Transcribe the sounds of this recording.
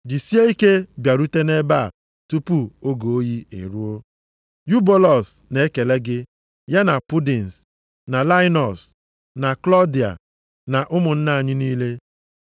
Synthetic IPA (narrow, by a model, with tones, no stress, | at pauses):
d͡ʒi˨si˦e˦i˦ke˦bja˨ɾu˦te˦ne˦ba˦˨ | tu˦pu˦o˦ɡo˨o˦ji˦ḛ˨ɾu˦o˦ | ju˦bo˦lɔ˨sne˦e˦ke˨le˦ɡɪ˦ | ja˦na˨pu˦di˨n̩˨s | na˨la˦ɪ˦nɔ˨s | na˨klɔ˦di˨a̰˨ | na˨ʔʊ˦mʊ˨n̩˦na˦a˨ɲɪ˦niː˦le˦